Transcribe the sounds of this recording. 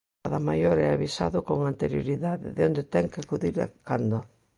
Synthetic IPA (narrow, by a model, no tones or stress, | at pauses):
aðamajoɾɛaβisa̰ðʊkoŋant̪eɾjo̰ɾiðaðɪ̰ðeond̪et̪ɛŋkɪakuðiɾa̰kand̪ʊ